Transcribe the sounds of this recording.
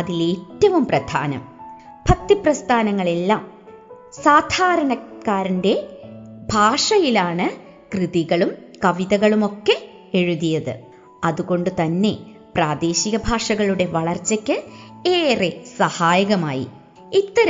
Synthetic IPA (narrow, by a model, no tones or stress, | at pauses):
ɐðileːtːɐʋumprɐd̪ʱa̰ːnɐ̰m | bʱɐt̪ːiprɐst̪ʰaːnɐŋːɐɭe̞lːaːm | saːd̪ʱaːɾɐnɐkːaːɾinde̞bʱaːʂɐjilaːɳɨ | krɨðiɣɐɭumkɐʋiðɐɣɐɭumo̞kːe̞ | eɻuðijɐðɨ̰ | ɐðuɣo̞ɳɖɨt̪ɐnːe̞ | praːd̪e̞ːɕiɣɐbʱaːʂɐɣɐɭuɽe̞ʋɐɭɐrt͡ɕːɐkʲːɨeːresɐhaːjɐɣɐma̰ːjḭ | it̪ːɐɾɐ